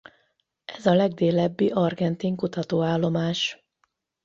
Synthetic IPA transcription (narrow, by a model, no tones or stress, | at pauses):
ʔɛzɒlɛɡd̪eːlɛbːiʔɒrɡɛnt̪iŋkut̪ɒt̪oːaːlːo̞maːʃ